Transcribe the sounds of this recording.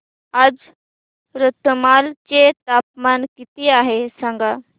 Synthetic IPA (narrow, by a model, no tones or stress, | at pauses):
ad͡z | ɾət̪ːəmalt͡ɕet̪ap̚mankit̪iaɦesãŋɡa